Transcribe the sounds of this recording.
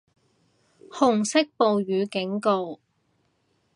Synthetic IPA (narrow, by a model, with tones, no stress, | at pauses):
hʊ˨˩ŋsɪ˥k̚po˨wjyː˨˧kɪ˨˥ŋko˧w